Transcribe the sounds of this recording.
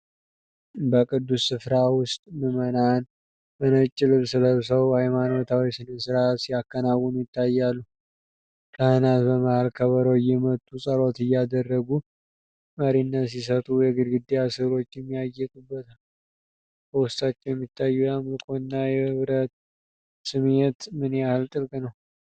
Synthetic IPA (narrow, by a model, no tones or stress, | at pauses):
bəkʼɨd̪ːusːɨfɾawʊst̪ʼmɨmənan | bənət͡ʃʼːɪlɨβsɨləβsəwhajmano̞t̪ʰawisɨnəsɨɾat̪sijakːənawːunujɪt̪ʰːajːalːu | kʰəhɨnat̪bəməhalkʰəβəɾəwjːɛmət̪ʼːusʼəɾo̞t̪ɨjːad̪ərːəɡu | məɾinːət̪sis̬ət̪ʼujɛɡɨd̪ɡɨd̪ːejasɨlo̞t͡ʃːɛmːiajːɛkʼubːət̪ʰal | bəwʊst̪ʼat͡ʃːɛwjɛmːit̪ʰːajːujɛamɨlkʼonːajɛhɨβɾət̪ | sɨmet̪mɨnahɨlt̪ʼɨlkʼnəw